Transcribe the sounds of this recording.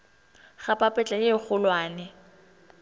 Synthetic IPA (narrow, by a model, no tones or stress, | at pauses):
χapʼapʼɛt͡ɬʼajeχʊlwaːnɛ